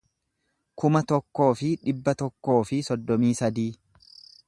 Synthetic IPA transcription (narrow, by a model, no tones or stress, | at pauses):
kʊmɐt̪ɔkːo̞ːfɪᶑɪbːɐt̪ɔkːo̞ːfɪsɔd̪ːɔmiːsɐd̪iː